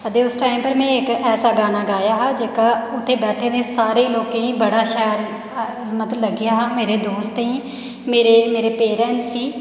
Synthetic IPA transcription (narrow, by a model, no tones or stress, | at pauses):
əd̪eːʊsʈaːimpəɾmɛ̃ːɪkɛːsaːɡaːnaːɡaːjaːɦaːd͡ʒeːkaːʊt̪ʰːeːbɛːʈʰeːneːsaːɾeːloːkẽːĩːbəɽaːʃɛːɾ | mət̪lləɡɪjaːɦaːmeːɾeːd̪oːst̪ĩː | meːɾeːmeːɾeːpeːɾɛ̃ːnsiː